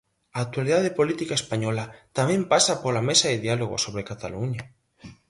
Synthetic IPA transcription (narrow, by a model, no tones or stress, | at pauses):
aːk̚t̪waliðaðepolit̪ikaespaɲɔlat̪amɛ̃mpasapolamesaeðialoɣo̰soβ̞ɾekat̪aluɲa